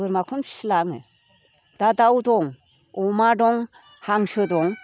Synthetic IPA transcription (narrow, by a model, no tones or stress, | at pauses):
ɯɾmakʰɔnslaŋɯ̰ | dadawdɔŋ | ɔmadɔŋ | haŋsɯdɔŋ